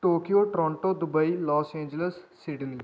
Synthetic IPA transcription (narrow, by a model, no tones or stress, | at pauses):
ʈoːkijoːʈɾɔ̃ːɳʈoːd̪ʊbəilɔːsẽːnd͡ʒələsːɪɖli